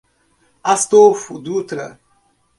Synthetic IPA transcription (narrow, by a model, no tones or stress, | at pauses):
ast̪ofud̪ut̪ɾə̰